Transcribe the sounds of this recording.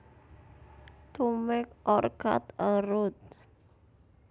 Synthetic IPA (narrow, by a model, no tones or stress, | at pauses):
t̪umɪkɔrka̰t̪əɾʊt̪̚